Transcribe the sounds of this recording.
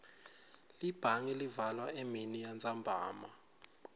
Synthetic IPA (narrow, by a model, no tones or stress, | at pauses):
lib̥ʱaŋilivalwaʔeminijand͡zʱambʱaːma